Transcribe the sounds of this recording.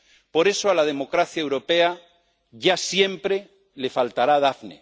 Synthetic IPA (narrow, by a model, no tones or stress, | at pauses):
po̞ɾe̞soalað̞e̞mo̞kɾaθjaewɾo̞pe̞a | ʝasje̞mpɾe̞ | le̞falt̪aɾaðafnḛ